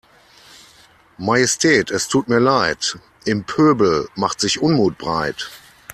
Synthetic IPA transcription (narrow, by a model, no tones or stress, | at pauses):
majɛstʰɛːtɛstʰuːt̚miːɐlaɪt | ʔɪmpʰøːbl̩maχtz̥ɪçʔʊnmuːt̚b̥ʁa̰ɪt